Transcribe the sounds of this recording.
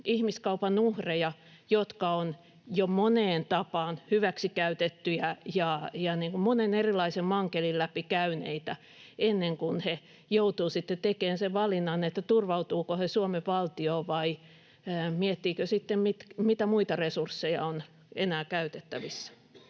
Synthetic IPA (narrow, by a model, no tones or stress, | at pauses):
ihmiskɑupɑnuhrejɑ | jot̪kɑon | jomoneːnt̪ɑpɑːnhyʋæksikæyt̪et̪ːyjæjɑjɑniːŋkummonenerilːˑɑisemmɑŋkelillæpikæynḛit̪æ | enːeŋkunhe | jout̪uːsit̪ːet̪ekeːnseʋʋɑlinːɑnːet̪ːæt̪urʋɑut̪uːkohesuomeʋɑlt̪ioːʋɑi | miɛt̪ːiːkøsit̪ːemmit̪mit̪æmuit̪ɑresursːejɑ̰on | ḛnæːkæyt̪et̪ːæʋisːæ̥